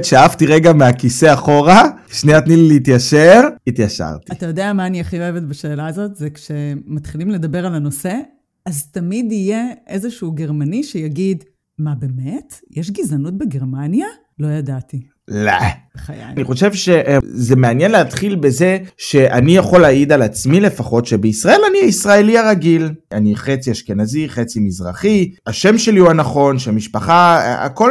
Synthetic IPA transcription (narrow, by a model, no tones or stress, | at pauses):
tʃeaaft̪iʁeɡameakise̞aχo̞ʁaʃneatnilileitjaʃeʁit̪jaʃa̰ʁtiatajo̞deamaːniaχio̞evetbaʃe̞ːlaːzo̞tzekʃematχilimle̞dabeʁalano̞se̞ | aztamidije̞ʔezeʃuːɡe̞ʁmaniʃejaɡid | mabe̞metjʔeʃɡizanut̚beɡeʁmanja | lo̞jadati | la̰ | χaja̰niχo̞ʃe̞vʃe̞ʔzemeanjenleatχilbe̞ze̞ʃe̞ʔanijaχo̞lːaid̪alat͡smile̞faχo̞tʃebeisʁae̞laniaisʁae̞liaʁaɡilaniχet͡siaʃke̞naziχet͡simizʁaχiaʃemʃe̞liuanaχo̞nʃeamiʃpaχa̰a̰ko̞